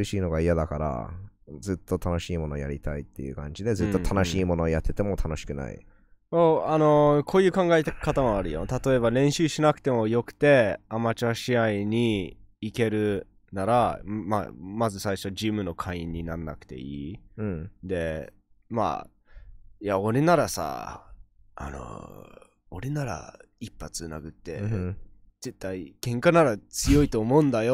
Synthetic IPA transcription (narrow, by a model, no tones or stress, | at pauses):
iɕiːno̞ɡaijad̪akaɾa̰ | d͡zɨt̪ːo̞t̪ʰano̞ɕiːmo̞no̞jaɾʲit̪ait̪ːe̞̰jɯ̟̰kã̰ɲ̟d͡ʑid̪e̞zɨt̪ːo̞t̪ʰanoɕiːmo̞noːjat̪ːe̞t̪e̞mo̞t̪ʰano̞ɕi̥kɯ̟na̰ḭ | oano̞kʰo̞ːjɯ̟ːkãŋɡaet̪e̥kat̪amoaɾɯ̟jo̰t̪at̪o̞e̞βaɾẽ̞ɰ̃ɕɨːɕinakɯ̟̥t̪e̞mo̞jo̞kɯ̟̥t̪e̞amat͡ɕaɕiaiɲ̟iike̞ɾɯ̟ | naɾama̰mazɨsaiɕo̞d͡ʑimɯ̟no̞kʰaĩɲ̟ːinaɾna̰kɯ̟̥t̪e̞̰iː | d̪e̞ | ma̰ | jao̞ɾe̞naɾasa̰ | a̰no̰ | oɾenaɾa̰ipːat͡sɨna̰ɡɯ̟t̪ːe̞̰ | d͡z̥e̞t̪ːaiɡ̥ẽ̞ŋkanaɾat͡sɨjo̞it̪oːmo̞ɯ̃nd̪ajo